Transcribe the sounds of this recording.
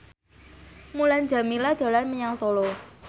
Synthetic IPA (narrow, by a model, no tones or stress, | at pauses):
muland͡ʒa̤milad̥d̥a̤lanməɲaŋsɔlɔ